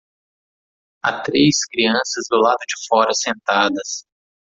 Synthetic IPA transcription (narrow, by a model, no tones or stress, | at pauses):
a̰t̪ɾeskɾiɐ̃sɐzd̪ʊlad̪ʊd͡ʒɪfɔɾɐsẽnt̪ad̪ɐs